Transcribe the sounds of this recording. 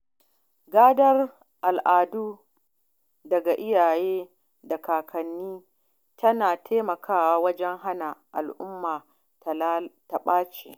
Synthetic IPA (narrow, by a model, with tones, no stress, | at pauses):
ɡaː˦dɐ˦r | ʔa˨lʔaː˨duː˦ | dɐ˨ɡa˨ʔɪ˦jaː˨jeː˦ | dɐ˨kaː˨kʰɐ˨nːiː˦ | tʰɐ˦naː˨tʰeː˦mɐ˨kʰaː˦waː˦wɐ˦d͡ʒɛ˦ŋɦa˦na˨ʔa̰˨lʔʊ˦mːaː˨ | ta˨lta˨ɓaː˦t͡ʃḛː˨